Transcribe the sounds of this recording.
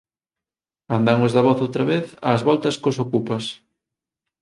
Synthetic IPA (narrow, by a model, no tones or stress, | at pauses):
and̪aŋozðɐβ̞ɔθowt̪ɾɐβeθa̰ːzβɔlt̪ɐskosokupɐs